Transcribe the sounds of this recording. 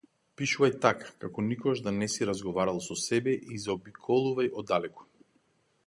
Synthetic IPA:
piʃuvajt̪akḁkakɔnikɔɡaʒd̪anɛsiɾazɡɔvaɾalˠsɔsɛbɛʔizaɔbikʰɔlˠuvajɔd̪alɛkɔ̥

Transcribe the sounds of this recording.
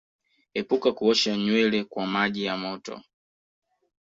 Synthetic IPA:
hɛpukakuɔʃaɲwɛlɛkwamaʄijamɔtɔ̰

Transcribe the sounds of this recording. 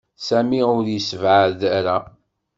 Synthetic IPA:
sæmiʊɾjəsəvʕəɾðæɾæ

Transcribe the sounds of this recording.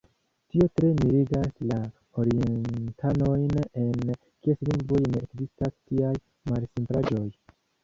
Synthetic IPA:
tio̞tɾe̞miɾiɡasla | o̞ɾientʰano̞jne̞n | kiesliŋɡvojne̞ekzistastiaj | malsimpɾad͡ʒo̞j

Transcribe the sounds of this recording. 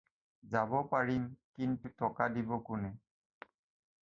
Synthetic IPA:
zabɔpaɹimkintutɔkadibɔkʊnɛ

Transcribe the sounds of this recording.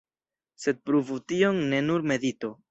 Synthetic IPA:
se̞d̚pɾuvutio̞ŋːe̞nuɾme̞dito

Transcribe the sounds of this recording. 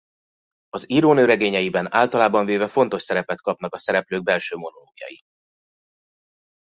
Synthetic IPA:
ɒziːɾoːnøːɾɛɡeːɲɛjibɛna̰ːlt̪ɒlaːbɒɱveːvɛfo̞nt̪o̞ʃsɛɾɛpɛt̪kɒpnɒkɒsɛɾɛpløːɡ̚bɛlʃøːmo̞no̞loːɡijɒ̰ji

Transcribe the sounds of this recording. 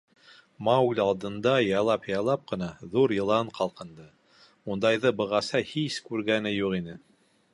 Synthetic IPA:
mɑʉlʲɑlˠd̪ɤ̆nd̪ɑjɑlˠɑpjɑjlˠɑp̚qɤ̆nɑðuɾjɤ̆lˠɑɴqɑlˠqɤ̆nd̪ɤ | und̪ɑjðɤbɤ̆ʁɑsɑhiskʉɾɡænɘjuqinɘ

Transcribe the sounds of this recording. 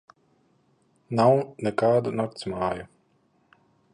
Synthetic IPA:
nawnɛkaːd̪unɔkt̪smaːju

